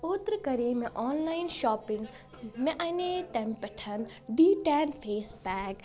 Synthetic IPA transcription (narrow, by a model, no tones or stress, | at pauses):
ʊt̪ɾkɐɾiːmẽʔɔːnlaːɪnʃɔːpɪŋɡ | mẽʔɐnet̪empɐʈʰɐn | ɖiːʈɛːnpʰeːsbɛːk